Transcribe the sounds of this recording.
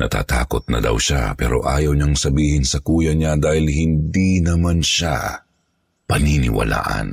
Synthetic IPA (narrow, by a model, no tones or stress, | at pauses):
nɐt̪a̰ːt̪aːkot̪̚nɐd̪ɐ̰wʃa̰pɛːɾo̞ʔa̰ːjɐwɲaŋsɐbiːhɪnsɐkuːjɐɲad̪aːhɪlhɪnd̪inɐmanʃa̰ | pɐninɪ̰wɐ̰la̰ːʔɐ̰n